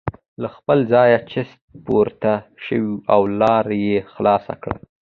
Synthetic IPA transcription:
laxpəlzɑjat͡ʃɪst̪̚poɾt̪aʃəwiʔawlɑɾjexlɑsa̰kɽa̰

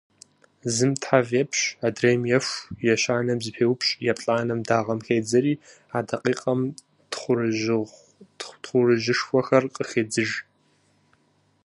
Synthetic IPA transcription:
zɨmtħavɛpʰɕaːdreːjmjɛʂʷjɛʃaːnɐmzɨpʰeːwʊpɕʼjɛpʼɬʼaːnɐmdaːʁɐmxeːd͡zɐɾiː | aːdɐqʼiːqʼɐm | χʷrɨ | tχʷʊrɨʒɪʂxʷɔxɐrqʼəxeːd͡zɨʒ

